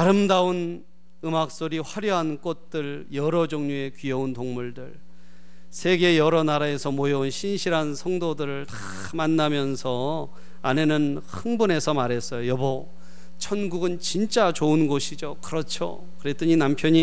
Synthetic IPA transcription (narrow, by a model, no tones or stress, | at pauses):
aɾɯmdaun | ɯmak̚s͈oɾiɸwaɾjʌɦank͈ot̚t͈ɯɭjʌɾʌd͡ʑʌŋɲue̞kɥiʌuntoŋmuɭdɯɭ | sʰe̞ɡe̞jʌɾʌnaɾae̞sʰʌmojʌunɕʰinɕʰiɾɦansʰʌŋdodɯɾɯɭta | manːamjʌnsʰʌ | ane̞nɯnhɯŋbune̞sʰʌmaɾɦe̞s͈ʌjojʌbʌ | t͡ɕʰʌnɡuɡɯnt͡ɕint͡ɕ͈at͡ɕounɡoɕʰid͡ʑokɯɾʌt͡ɕʰo̰ | kɯɾe̞t͈ɯɲinampʰjʌɲi